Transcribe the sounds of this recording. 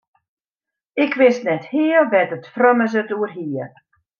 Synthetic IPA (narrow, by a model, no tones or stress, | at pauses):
ɪkʋɪstnɛthiːəlʋɛtətfrøməs̬ətuərɦiə